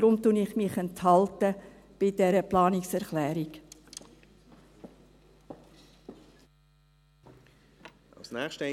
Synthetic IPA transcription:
ɾʊmtunɪχmɪχɛnt̪hɑltə | b̥ɪdɛɾəplɑːnɪksɛɾχlɛːɾik | a̰lsnɛːχʃtə

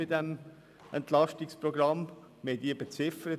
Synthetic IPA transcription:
ɪdɛm | ɛ̰nt̪lɑʃtɪkspɾoɡɾɑm | mediːb̥ət͡sɪfəɾə

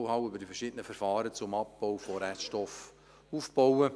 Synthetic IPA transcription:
hɑwʏbəɾdifɛrʃɪdənəfɛɾfɑːɾət͡sʊmɑp̚b̥ɔʊfɔɾɛtʃtɔf | uːfb̥ɔwə

